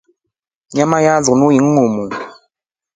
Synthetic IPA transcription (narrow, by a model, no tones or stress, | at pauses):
ɲamajaznujiŋ̩ːumu